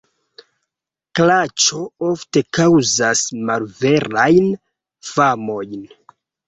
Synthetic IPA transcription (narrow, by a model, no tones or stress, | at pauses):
klat͡ʃo̞o̞fte̞kawzasmalve̞ɾajn | famo̞jn